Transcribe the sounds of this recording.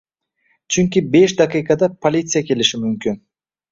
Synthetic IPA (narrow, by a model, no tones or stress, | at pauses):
t͡ʃʰyŋkʲibe̞ʃd̪aqijkɑd̪ɑpolʲit̪sɨjake̞liʃimymkyn